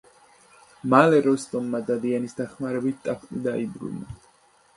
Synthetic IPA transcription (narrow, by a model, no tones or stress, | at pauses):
malɛɾɔst̪ʼɔmːad̪ad̪ianisd̪aχmaɾɛbit̪̚ʰt̪ʼaχʰt̪ʼid̪aibɾṵna̰